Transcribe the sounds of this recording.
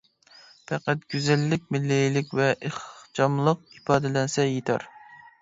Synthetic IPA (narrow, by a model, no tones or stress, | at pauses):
pʰɛqæt̪̚ɡ̥ʲyzɛlːɪkʲmɪlːɪjlɪkʲvɛʔeχt͡ʃɑmlˠəq̚ipɑːd̪ɪlɛnsɛjet̪ʰɑ̰ɾ